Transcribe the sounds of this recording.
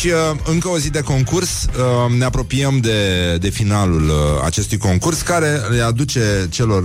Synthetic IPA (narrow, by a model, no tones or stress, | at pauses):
ʃiəɨŋkəo̞zid̪e̞ko̞ŋkursəne̞apɾo̞piəmd̪e̞d̪e̞finalula̰t͡ʃe̞st̪ujko̞ŋkurskaɾe̞lead̪ut͡ʃe̞t͡ʃe̞lo̞r